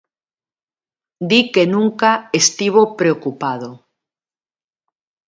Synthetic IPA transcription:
d̪ikenũŋkaest̪iβ̞opɾeokupað̞o

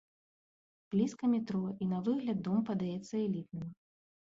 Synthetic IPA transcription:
b̥lʲiskɐmʲɛt̪ɾɔinɐvɨɣlʲɐd̪̚ːɔmpɐd̪ajɛt̪sːɐɛlʲit̪̚nɨm

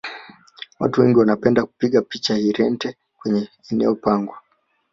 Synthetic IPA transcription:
wa̰tuwɛŋɡiwanapɛndaku̥piɠapit͡ʃahiɾɛntɛ | kwɛɲɛ | ɛnɛ̰ɔpaŋɡwa

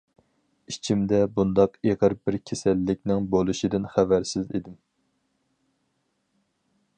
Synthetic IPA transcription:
it͡ʃʰimd̪ɛbund̪ɑqeʁəɾbɪɾkʲʰesælːɪk̚ʲnɪŋbolˠuʃid̪ɪnχævæɾsɪzḛd̪ɪm

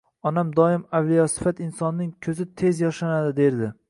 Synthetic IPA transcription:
ɒnamd̪ɒɪmawlijɒsɪ̥fat̪ɪnsɒnːɪŋkʲʰɵzɪt̪ʰe̞zjɒʃanad̪ɪd̪eɾd̪ɪ

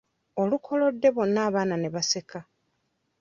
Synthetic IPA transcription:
o̞lukʰo̞lo̞dːe̞βo̞nːaːβaːnane̞βase̞ka

